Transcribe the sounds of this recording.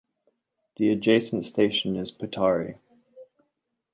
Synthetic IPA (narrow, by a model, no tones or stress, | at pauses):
ðiəd͡ʒeɪsə̃ntsteɪʃə̃nɪz̥pʰətʰɑːɹḭ